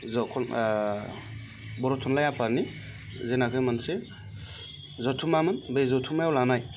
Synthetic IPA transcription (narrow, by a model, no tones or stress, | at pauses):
zɔkʰɔn | bɔɾɔtʰɔnlajapaɾni | zenakʰɯjmanse | zɔtʰumamɯnbejzɔtʰumajawlanaj